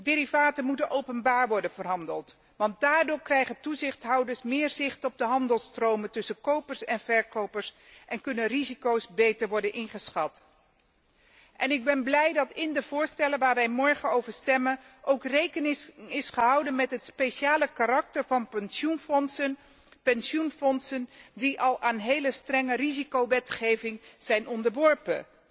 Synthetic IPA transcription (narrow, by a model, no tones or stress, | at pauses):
deːɾivaːtənmutənʔowpənbaːɹʋɔɹdənvəɹɦɑndəlˠt | ʋɑnt̚daːɹdʊːɹkrɛjχəntuzɪχtɦɑwdəɹsmɪːɹzɪχtɔb̚dəɦɑndəlˠstrowməntɵsənkowpəɹsɛnvɛɹkowpəɹs | ʔɛnkɵnənrizikowsbejtəɹʋɔɹdənʔɪnχəsχɑt | ʔɛnɪɡ̚bɛnblɛjdɑtɪndəv̥ʊːɹstɛlənʋaːɹʋɛjmɔɹχənowvəɹstɛmən | ʔowkrejkənɪɪsχəɦɑwdənmɛtɦətspejʃaːləkaɾɑk̚təɹvɑnnsunfɔnsən | pɛnsunfɔnsəndiʔɑlˠaːnɦejləstrɛŋərizikowʋɛtχejvɪŋz̥ɛjnɔndəɹʋɔɹpə̰n